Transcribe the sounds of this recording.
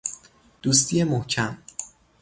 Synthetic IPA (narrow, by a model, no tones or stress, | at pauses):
d̪̥uːst̪ʰije̞mohcʰæm